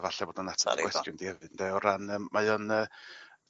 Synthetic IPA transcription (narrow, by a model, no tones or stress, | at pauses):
vaɬɛboːdanatʰə̥a̰ɡwɛskjʊndihɛvɨndɛɔɾanəmajɔnəː